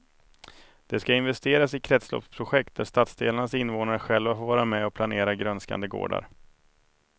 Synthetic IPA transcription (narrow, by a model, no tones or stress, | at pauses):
d̪̥ɛskaɪnvɛst̪eːɾasɪkʰɾɛt̪slɔ̰pspʰɾʊɧɛk̚t̪̚d̪æʂt̪at̪sd̪ḛːlaɳasɪnvoːnaɾəɧɛlvafoɾvɑːɾamɛɔpʰlaneːɾaɡɾœnska̰nd̪əɡo̰ːɖa̰ɾ